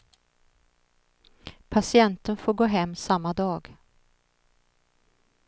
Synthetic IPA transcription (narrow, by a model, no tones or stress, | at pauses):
pʰasɪɛnt̪ənfoːɾɡoːɦɛmːsamːad̪ɑːɡ